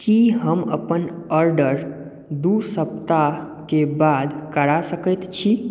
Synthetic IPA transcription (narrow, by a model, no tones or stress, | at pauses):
kiɦəmə̰pənəɾɖəɾ | d̪usəp̚t̪a | kebad̪kəɽasəkət̪t͡ʃʰi